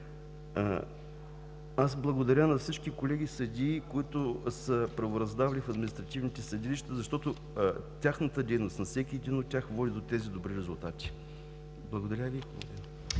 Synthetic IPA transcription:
asblˠɐɡod̪ɐɾʲənɐfsit͡ʃkikolɛɡʲisəd̪ʲiːkoit̪ʊsəpɾɐvoɾɐzd̪avɐlifɐd̪minist̪ɾɐt̪ivnit̪ɛsəd̪iliʃt̪əzɐʃt̪ɔt̪ʊ | t̪ʲaxnət̪əd̪ɛjnost̪nɐfsɛkʲiɛd̪inot̪̚tʲːaxvɔd̪id̪ot̪ɛzid̪obɾiɾɛzʊlˠt̪at̪ʲi̥ | blˠɐɡod̪ɐɾʲavʲikˠɐ̰d̪ɛ

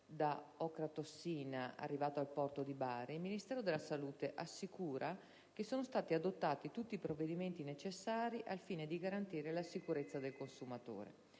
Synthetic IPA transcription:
d̪aɔkɾat̪osːiːnaa̰rːivaːt̪oalpɔrt̪od̪ibaːɾeilminist̪ɛːɾod̪elːasaluːt̪eʔasːikuːɾʔa | k̟esːoːnost̪aːt̪iad̪ot̪ːaːt̪it̪ut̪ːiːpɾoved̪iment̪inet͡ʃesːaːɾiʔalfiːned̪iɡaɾant̪iːɾelasikuɾet̪sːad̪elkonsumat̪o̰ːɾḛ

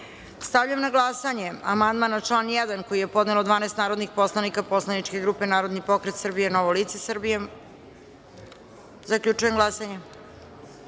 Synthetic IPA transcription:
st̪avʎamnaɡlasaɲe̞a̰mand̪manat͡ʂlˠaːnjɛd̪anko̞jijepo̞d̪nelod̪ʋaːneːst̪naːɾod̪nixpo̞slˠanikapo̞slˠanit͡ʂke̞ɡɾuːpe̞naːɾo̞d̪nipo̞kɾet̪srbijenoʋoliːt̪se̞srbije | zakʎut͡ʂuje̞mɡlˠasaɲe

